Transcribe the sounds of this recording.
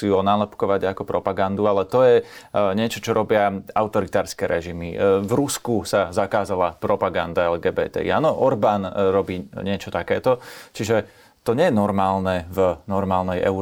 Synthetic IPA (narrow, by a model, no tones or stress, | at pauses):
iuɔnaːlɛpkɔʋaɟakɔpɾɔpaɡand̪ualɛt̪ɔjɛɲɪɛt͡ʃɔt͡ʃɔɾɔbɪaaʊt̪ɔɾit̪aːɾskɛɾɛʒimḭvɾuskusazakaːzalapɾɔpaɡand̪aɛlɡɛːbɛ̰ːt̪ɛ̰ḭaːnɔʔɔɾbaːnɾɔbiːɲɪɛt͡ʃɔt̪akɛːt̪ɔt͡ʃiʒɛ | t̪ɔɲɛjɛnɔɾmaːlnɛvnɔɾmaːlnɛjɛ̰u